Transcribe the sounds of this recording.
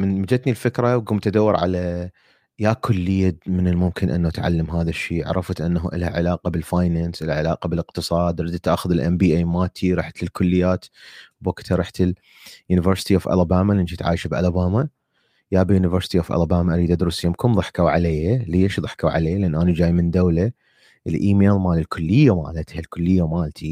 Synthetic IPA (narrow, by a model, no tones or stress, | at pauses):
mɪnmad͡ʒat̪nilfɪkɾˤawɡʊmt̪ad̪awːɪɾʕa̰la | jakʰʊlːɪjːamɪnɪlmʊmkɪnʔɪ̰nːaat̪ʕa̰lːamɦaːðaʃːiːʕ̰ɾˤɑfat̪ʔɪnːaɦuʔɪ̰lhaʕɪlaːqɑbɪlfaːjnaːnsʔɪlʕɪlaːqɑbɪlɪqt̪ɨsˤɑːd̪ɾɪd̪t̪ʔaːxʊðɪlʔɛmbiːʔeːjmaːt̪ʰiɾˤɑːħt̪ɪlkʊlːɪjːaːt̪bakt̪ʰaɾˤɑːħt̪ɪl | juːnɪvəɾsɪ̥t̪iʔoːfʔa̰labaːmalʔɪnʃit̪ʕa̰ːjʃabʔa̰labaːma | jaːbjunɪvəɾsɪ̥t̪iʔoːfʔa̰labaːmaʔaɾiːd̪ʔad̪ɾusjɪmkʊmðˤɨħkawʕaleːjaleːʃðˤɨħkawʕa̰leːlʔɪnːʔaːnad͡ʒaːjmɪnd̪awla | ʔəlʔiːmeːlmaːlilkʰʊlːɪjːama̰ːlat̪halkʊlːɪjːamaːlt̪ʰi